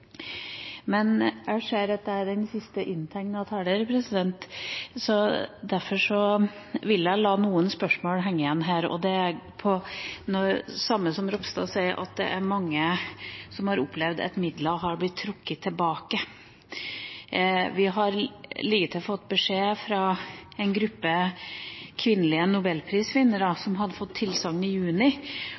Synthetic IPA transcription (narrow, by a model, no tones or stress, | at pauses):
mɛnʔæɪʂeːɾɑt̪̚d̪əæɖɛnsɪst̪əʔɪnːt̪ʰɛŋnɑt̪ʰɑɖ̪əɾpʰɾɛsɪd̪ɛnt̪sɔd̪æɾfɔʂɔ | ʋɪljæɪlɑːnuːənspœʂmoːlɦɛŋːəjɛnɦæːɾɔ̰d̪ɛæɾpʰɔnɔsɑmːəsɔmɾɔpst̪ɑsæɪʔɑ̰t̪̚d̪ɛ̰ʔæɾmɑŋːəsɔmhɑɾʊpʰlɛʋd̪ɛ̰t̪mɪd̪ləɦɑɾblɪt̪ʰːɾʊkːət̪ʰːɪlbɑːkə | ʋɪɦɑɾliːɡət̪ʰɪlfɔt̪ːbəʂeːfɾɑɛɪnɡɾʉpːə | kʰʋɪnːəlɪənʊbɛlːpʰɾiːskʰʋɪnːəɾɑsɔmɦɑd̪əfɔt̪ʰːɪlsɑŋːnɪjʉːnɪ